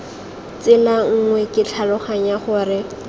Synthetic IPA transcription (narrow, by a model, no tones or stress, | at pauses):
t͡sɪlaŋ̩ŋwɛkʼɪt͡ɬʰalʊχaɲaχʊrɪ